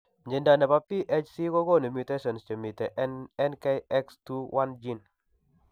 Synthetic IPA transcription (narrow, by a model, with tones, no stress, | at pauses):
ɲd͡ʒe˨nda˨nɛ˨pa˨˦pi˦ʔe˦t͡ʃsi˦kɔ˦ɡɔ˦˨ne˨mju˨te˦sɔ˨nst͡ʃə˨mi˨tɛ˨ɛ˦nkɛ˦ɛ˦kstu˦wʔa˦nd͡ʒi˦n